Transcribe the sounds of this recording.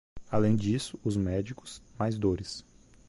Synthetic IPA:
alẽj̃d͡ʒisʊʊzmɛd͡ʒikʊ̥smajzd̪oɾɪs

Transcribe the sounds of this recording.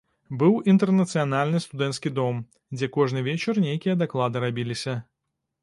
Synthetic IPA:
bɨwint̪ɛrnɐt̪sɨjanalʲnɨst̪ud̪ɛnt̪skʲid̪ɔm | d͡zʲɛkɔʐnɨvʲɛt͡ʃɐrnʲejkʲijɐd̪aklˠad̪ɨɾabʲilʲisʲɐ

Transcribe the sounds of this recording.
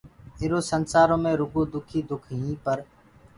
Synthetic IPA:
ɪɾoːsənsaːɾõːmẽːɾʊɡoːd̪ʊkʰiːd̪ʊkʰɦĩːpəɾ

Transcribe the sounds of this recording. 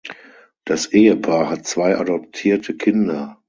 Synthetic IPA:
d̥asʔeːəpʰaːɐɦatt͡sv̥aɪʔa̰dɔp̚tʰiːɐtʰəkʰɪndɐ

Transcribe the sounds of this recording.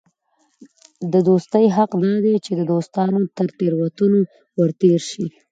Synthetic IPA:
d̪əd̪ost̪əjɦaqd̪ɑd̪et͡ʃed̪əd̪ost̪ɑnot̪əɾt̪eɾwat̪uno | wəɾt̪eɾʃi

